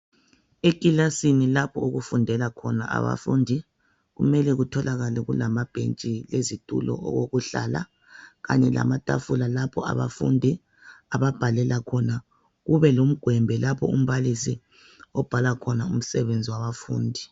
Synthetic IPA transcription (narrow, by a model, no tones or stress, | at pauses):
ekʼilasinilapʰɔuɣufundʱɛlakʰɔna̰ʔa̰βa̰fundʱi | ɣṵmɛlɛɣutʰɔlaɣalɛɣṵlamab̥ʱent͡ʃʼilezitʼṵlɔ̰ɔ̰ɣoɣuɬa̰la̰ | ɣa̰ɲɛla̰matʼa̰fulalapʰɔa̰βa̰fṵndʱi | aβab̥ʱalɛlakʰɔna | ɣuβɛlom̩ɡ̥ʱwɛmbʱɛlapʰɔ̰um̩βalisi | ɔb̥ʱalakʰɔnaum̩sɛβend͡zʱiwaβafṵːndʱi